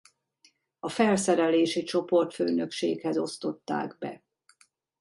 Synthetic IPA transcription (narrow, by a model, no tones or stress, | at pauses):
ɒfɛlsɛɾɛleːʃit͡ʃo̞po̞rt̪føːnø̞kʃeːkhɛzo̞st̪o̞t̪ːa̰ːɡbɛ̰